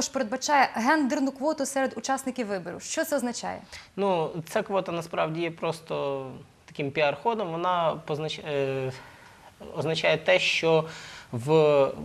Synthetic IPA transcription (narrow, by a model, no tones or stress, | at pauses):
ɔʃpeɾed̪bɐt͡ʃɑjɛɦɛnd̪ernʊkʋɔt̪ʊsɛɾed̪ʊt͡ʃɑsnɪkʲɪʋʋɪbɔɾʲḭwʃt͡ʃɔt̪sɛɔznɐt͡ʃa̰jɛ̰nut̪sɛkʋɔt̪ɐnɐspɾɑʋdʲijɛpɾɔst̪ɔ | t̪ɐkʲɪmpʲiɐrxɔd̪ɔmʋɔnɑpɔznɐ | ɔznɐt͡ʃɑjɛt̪ɛʃt͡ʃɔʋ